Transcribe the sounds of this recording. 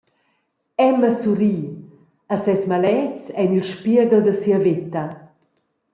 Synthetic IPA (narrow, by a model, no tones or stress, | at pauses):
ɛməsuɾiː | asɛsmalɛt͡sɛnilʃpiəɡəld̪əsiəvet̪ɐ